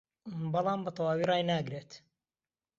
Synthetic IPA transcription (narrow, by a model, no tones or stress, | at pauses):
bɑlˠɑːmbɐt̪ʰɑwaːwiːrɑːjnaːɡɾeːt̪